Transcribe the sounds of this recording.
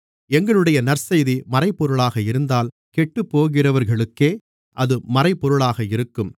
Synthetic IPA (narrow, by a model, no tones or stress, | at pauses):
ɛŋɡɐɭɯɽɐjɐnɐɾsɐjðimɐɾɐɪpːɔɾɯɭaːɣɐɪɾɯnd̪aːl | kɛʈːɯpːoːɣɪrɐʋɐɾɣɐɭɯkːeː | ʔɐðɯmɐɾɐɪpːɔɾɯɭaːɣɐɪɾɯkːɯm